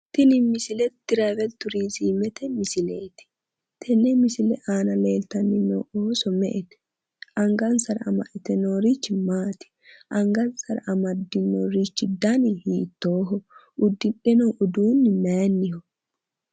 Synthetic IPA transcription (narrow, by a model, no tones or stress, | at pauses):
t̪ɪnɪmɪsɪlɛt̪ːɪɾawɛlt̪ʊɾiːsiːmɛt̪ɛmɪsɪleːt̪ɪ̥ | t̪ʰɛnːɛmɪsɪlɛʔaːnɐleːlt̪ɐnːɪnɔ̰ʔoːsɔmɛ̰ʔɛt̪ɛ̥ | ʔɐŋɡɐnsɐɾɐ̰mɐ̰ʔɛt̪ɛnoːɾit͡ʃːɪmaːt̪ɪ̥ʔɐŋɡɐnsɐɾɐmɐd̪ːɪnoːɾit͡ʃːɪd̪ːaːnɪhiːt̪ːoːɦɔʔʊd̪ːɪᶑɛnoːʔʊd̪uːnːɪmaːnːɪhɔ